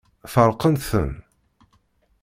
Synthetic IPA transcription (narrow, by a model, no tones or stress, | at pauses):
θəɾˤqənθə̰n